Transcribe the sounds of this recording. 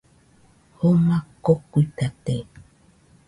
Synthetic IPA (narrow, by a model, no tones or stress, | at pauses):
homakokuit̪at̪e